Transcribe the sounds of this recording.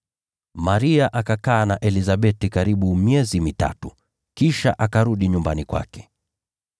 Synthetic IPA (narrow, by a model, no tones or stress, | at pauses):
maɾiaʔakakaːnaʔɛlizaɓɛtikaɾiɓumiɛzimita̰tu | kiʃa̰ʔakaɾuɗiɲumbanikwa̰kɛ̥